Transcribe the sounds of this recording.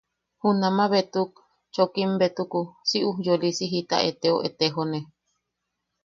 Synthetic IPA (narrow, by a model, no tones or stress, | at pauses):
hunamaβet̪uk̚ | t͡ʃokimbet̪ukusiʔuhjolisiɦit̪a̰ʔet̪eoʔet̪eɦone